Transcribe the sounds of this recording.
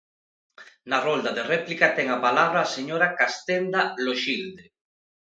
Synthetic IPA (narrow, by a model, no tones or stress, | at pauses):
narond̪aðerɛplikat̪ɛŋapalaβ̞ɾaːseɲoɾakast̪end̪aloʃild̪e